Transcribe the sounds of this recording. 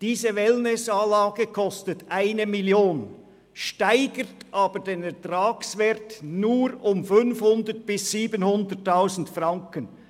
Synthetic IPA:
d̥iːzəvɛlnɪsaːlaːɡəkʰɔstətʔaɪnəmiljoːn | ʃtaɪɡətʔɑːbədeːnɛʁtraːksvɛɾtnuːɾʊmfʏnfhʊndət̚b̥ɪsːiːbənhʊndətːaʊzn̩tfrɑŋkən

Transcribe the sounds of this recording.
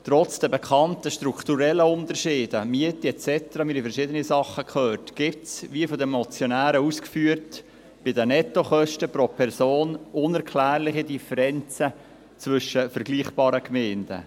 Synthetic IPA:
t̪ɾɔt͡sd̥ɛbɛkχɑntəʃtɾukχtuɾɛlːəʊnt̪əɾʃɪːd̥əmiətiɛt͡sɛt̪əɾɑmiːɾifɛɾʃɪdənisɑχːəkʰχøːɾtɡ̥ɪp̚tsʋiəfɔdəmɔt͡sjɔnæːɾəuskfyːəɾt | b̥ɪdənɛtːoχœʃtəpɾopʰɛɾsoːnʊnɛɾkʰlæːɾlɪχidifəɾɛnt͡sə | t͡svʏʃəfəɾɡliːχb̥ɑːɾəkmɛɪnd̥ə̰

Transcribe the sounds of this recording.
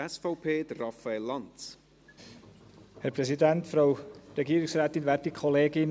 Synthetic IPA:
ɛsfowpʰeːdrafaelant | hɛɾpʰɾɛsidæntfɾawɾɛɡiːəɾɪksɾaːtɪnvɛɾtikʰɔleːɡɪn

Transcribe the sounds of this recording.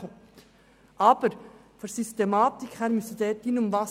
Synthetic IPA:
ʔɑːbəɾ | fɔɾsyst̪emɑːt̪ɪkhæɾmysəd̪eːd̪iːnʊmvɑ

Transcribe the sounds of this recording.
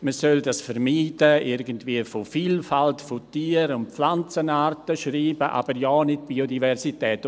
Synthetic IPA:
məsœldasfəɾmiːdəɪɾɡəntviːəfofiːlfaltfotiːəɾʊnt̚p͡flant͡sənaːɾtəʃriːbəʔa̰b̥əɾjɔːnɪt̚b̥iːodivɛɾsitɛːt

